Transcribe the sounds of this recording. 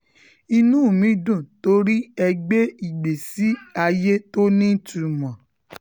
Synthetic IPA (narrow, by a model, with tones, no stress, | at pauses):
i˧nũ˦˨mĩ˨˦dũ˦˨to˧˦ɾi˦ɛ˧ɡ͡be˦i˨ɡ͡be˨si˨˦a˧je˦to˦nĩ˦˨tu˨mã˨